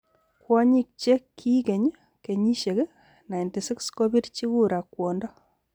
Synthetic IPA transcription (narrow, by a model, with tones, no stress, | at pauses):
kwɔ˦ɲi˦k̚t͡ʃe˦kʰːi˦ke˨ɲ | ke˨ɲi˦ʃe˨k | na˨jnti˨si˦ksko˦bi˦ɾt͡ʃi˦ku˦ɾa˨kːwɔ˨ndɔ˦